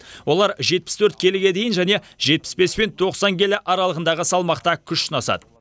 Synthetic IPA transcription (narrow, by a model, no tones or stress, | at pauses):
wo̞lˠɑɾʒe̞t̪̚pɪ̥st̪ʰɵɾt̪̚kʲʰe̞lɪɡʲe̞d̪e̞jɪnʒæne̞ | ʒe̞t̪̚pɪ̥sbe̞spe̞nt̪ʰo̞qsɑŋɡʲe̞lɪʔɑɾɑlˠəʁənd̪ɑʁəsɑlˠmɑqt̪ɑkʲʰʏʃːɪnɑsɑ̰d̪ə